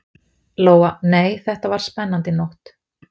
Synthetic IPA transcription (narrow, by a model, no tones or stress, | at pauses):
loːwaneːjθɛht̪avaɾ̥spɛnːant̪ɪnowht̪